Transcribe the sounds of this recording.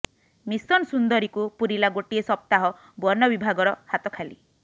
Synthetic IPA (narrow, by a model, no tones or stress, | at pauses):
misɔnsund̪ɔɾikupuɾilaɡoʈiesɔp̚t̪aɦɔ | bɔɾnɔbibʱaɡɔɾɔhat̪ɔkʰali